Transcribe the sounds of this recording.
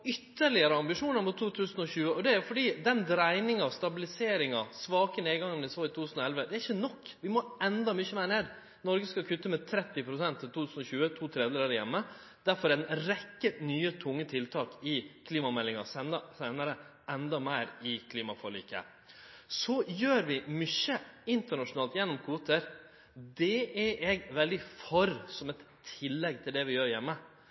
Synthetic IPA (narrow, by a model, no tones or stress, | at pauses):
ʏt̪ːəɾɭɪəɾəɑmbɪʂuːnəɾmut̪ʰːuːt̪ʰʉːsənɔɕʉːəɔd̪ɛæɾfɔɖiːd̪ɛnd̪ɾæɪnɪŋɑst̪ɑbɪlɪseːɾɪŋɑsʋɑːkəneːɡɑŋːnd̪ɪsoːɪt̪ʰuːt̪ʰʉsnɔɛlʋəd̪ɛæɾɪçːənɔkːʋɪmɔɛnd̪ɑmʏçəmæːɳeːd̪ | nɔɾɡəskɑkʰʉt̪ːəmɛt̪ʰɾɛt̪ːɪpʰɾʊsɛnt̪ʰːɪlt̪uːʉːsn̩ɔɕʉːət̪ʰuːt̪ʰɾɛːd̪əlɑɾəjɛ̰mːə | d̪̥æɾfɔɾɛnɾɛkːənyːət̪ʰʊŋːət̪ʰɪlt̪ʰɑːkɪkʰliːmɑmɛlːɪŋɑsɛnɑsæɪnəɾə | ɛnd̪ɑmæɪɾɪkʰliːmɑfɔɭḭːkə̰ | sɔjøːɾʋɪmʏçəɪnt̪əɳɑʂʊnɑːlt̪jɛnːɔmkʰuːt̪əɾ | d̪ɛɛʔɛɡʋɛld̪ɪfɔɾsɔmɛt̪ʰɪlːɛɡt̪ʰɪld̪ɛʋɪjøːɾjɛmːə